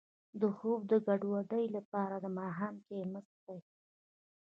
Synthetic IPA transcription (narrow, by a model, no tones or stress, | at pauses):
d̪əxob̚d̪əɡaɖwaɖəjlapɑɾad̪əmɑɦamkeməsd̪aj